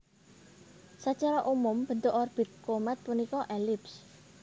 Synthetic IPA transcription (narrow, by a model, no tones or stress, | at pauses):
sət͡ʃaɾɔʔumʊmb̥ə̤nt̪oʔɔrb̥ɪt̪̚komat̪̚punikɔʔelɪps